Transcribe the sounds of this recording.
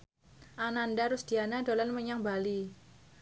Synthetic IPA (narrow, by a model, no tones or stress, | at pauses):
ʔanandaɾʊsd̪̥ianadolanməɲaŋbali